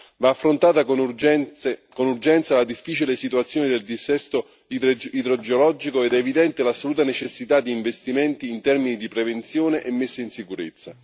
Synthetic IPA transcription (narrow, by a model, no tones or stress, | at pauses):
vaːfːɾont̪aːt̪ak | konurd͡ʒɛnt̪salad̪ifːiːt͡ʃilesit̪uat̪sjoːned̪eld̪isɛst̪o | id̪ɾod͡ʒeolɔd͡ʒikoed̪ɛːvid̪ɛnt̪elasːoluːt̪anet͡ʃesːit̪ad̪ːiːɱvest̪iment̪iːnt̪ɛrminid̪ipɾevent̪sjoːneʔemːesːainsikuɾet̪sːa